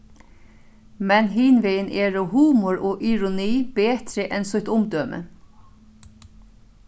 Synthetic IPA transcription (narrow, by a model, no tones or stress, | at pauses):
mɛnhiːnʋeɪənʔeːɾoːhuːmʊɹoːʔɪɹʊniːbeːt̪ɾəʔɛnsɔt̪ʊmd̪øːmʔə̰